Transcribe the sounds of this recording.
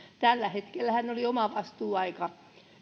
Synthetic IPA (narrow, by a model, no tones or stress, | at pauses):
t̪ælːæhet̪kelːæhænːoliomɑʋɑst̪uːɑikɑ